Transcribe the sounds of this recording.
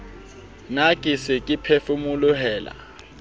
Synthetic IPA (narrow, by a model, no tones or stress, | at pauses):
nakʼisɪkʼipʰefumulʊɦɛːla̰